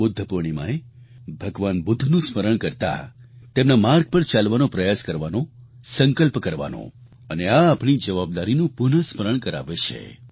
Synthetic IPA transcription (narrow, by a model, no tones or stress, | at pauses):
bʊd̪ʱːəpuɾɳ̃imã̰e | bʱəɡʋanbʊd̪ʱːnũsməɾəɳkəɾt̪a̰t̪emnamaɾɡ̚pəɾt͡ʃalʋanõpɾəjaskəɾʋano | səŋkəlpkəɾʋa̰nõ̰ | əneaːpɳ̃id͡ʒəʋab̚d̪aɾinũpʊnəsməɾəɳkəɾa̰ʋet͡ʃʰḛ